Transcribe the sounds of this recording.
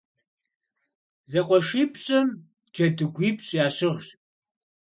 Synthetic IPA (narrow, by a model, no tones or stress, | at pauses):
zɐqʷʼɔʂiːpʰɕʼɐm | d͡ʒɐdɨɡʷiːpɕʼjaːɕɪʁɕ